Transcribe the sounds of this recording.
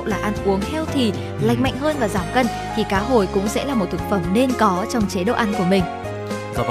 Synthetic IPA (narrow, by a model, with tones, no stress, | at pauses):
wlaː˨˩ʔaː˧nʔu˨˦əŋhɛ˧wt̪ʰi˨˩ | la̰˨˧˨jk̟ma̰˧˨jŋ̟həː˧nvaː˨˩zaː˧˩mkə˧n | t̪ʰi˨˩kaː˨˦ɦo˧˩jkʊ̰˧˥ŋ͡msɛ̰˧˥laː˨˩mo˨˩t̚t̪ʰɨ˨˩k̚fə˧˩mne˧nkɔ˨˦t͡ɕɔ˧wŋ͡mt͡ɕe˨˦ɗə̰˧˨ʔa˧˦nku˧˩əmï˨˩ŋ̟